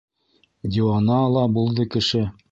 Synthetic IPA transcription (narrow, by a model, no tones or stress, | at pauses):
d̪ʲiɑnɑlˠɑbulˠðɤkɘ̆ʃɘ